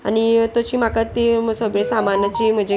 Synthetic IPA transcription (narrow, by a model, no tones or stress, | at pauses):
a̰nit̪ət͡ɕiːm̤akat̪ːisəɡɭẽsamanat͡ɕiːm̤əd͡ʑe